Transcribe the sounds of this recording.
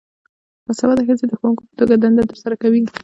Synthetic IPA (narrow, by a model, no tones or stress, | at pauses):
wasawad̪axəzed̪əxowuŋkopə̥t̪oɡad̪and̪at̪əɾsaɾakawi